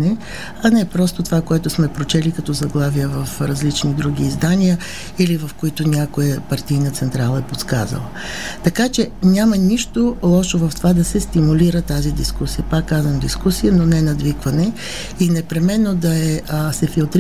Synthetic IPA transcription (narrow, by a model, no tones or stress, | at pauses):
nɛ | ɐnɛpɾɔst̪ot̪ovakoɛt̪ʊsmɛpɾot͡ʃɛlikɐt̪ɔzɐɡlˠavijəvɐfɾɐzlit͡ʃnid̪ɾuɡ̟iːzd̪anijə | ilivɐfkoit̪ʊnʲjakoəpɐɾt̪ijnət̪sɛnt̪ɾalˠəɛpot̪ska̰zə̰lˠə | t̪ɐkat͡ʃɛnʲamɐniʃt̪olˠɔʃovɐft̪ovad̪ɐsɛst̪imuliɾət̪azid̪iskusijəpakːazvəmd̪iskusijənonɛnɐd̪vikvɐnɛ | inɛpɾɛmɛnːod̪ɐɛsɛfilˠt̪ɾ